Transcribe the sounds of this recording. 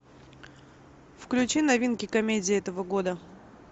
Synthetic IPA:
fklʲʉt͡ɕinɐvʲinkʲɪkɐmʲedʲɪɛt̪əvəɡo̞d̪ə

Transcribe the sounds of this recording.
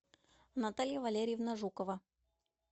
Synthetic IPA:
nɐt̪alʲɪjəvɐlʲeɾʲɪjɪvnɐʐukəvə

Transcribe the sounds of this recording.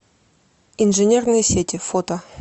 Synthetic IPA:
inʐɨnʲernɨjəsʲetʲɪfot̪ə

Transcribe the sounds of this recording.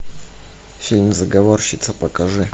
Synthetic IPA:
sʲilʲnʲzəɡɐvorɕɪt̪səpəkɐʐɨ

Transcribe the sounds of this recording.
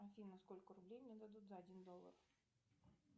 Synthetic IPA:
ɐfʲinːɐskɔlʲkɐɾʊblʲejwnʲɛd̪ɐd̪ut̪ʲzɐɐdʲind̪ɔlˠːɐ̰r

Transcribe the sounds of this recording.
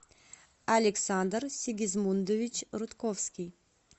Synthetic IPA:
alʲeksand̪rsʲɪɡʲizmund̪ovʲit͡ɕɾut̪kofskʲij

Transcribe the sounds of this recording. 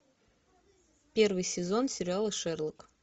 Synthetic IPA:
pʲe̞rvɨjsʲɪzonsʲɪɾʲɪalˠəʂɛrlˠək

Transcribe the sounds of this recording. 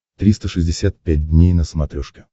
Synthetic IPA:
t̪ɾʲist̪əʂɨzʲdʲɪsʲat̪̚pʲæt̚ʲdʲnʲejnəsmɐt̪ɾʲoʂkʲɪ

